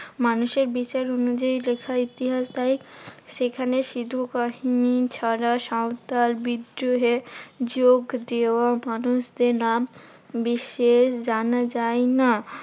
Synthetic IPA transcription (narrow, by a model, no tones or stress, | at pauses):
manuʃeɾbit͡ɕaɾonud͡ʑailekʰait̪iɦasd̪ajʃekʰaneʃid̪ʱukaɦinit͡ɕʰaɾaʃawt̪albid̪ɾoɦed͡ʑoɡd̪ewamanuʃd̪eɾnam | biʃeʃd͡ʑanad͡ʑaena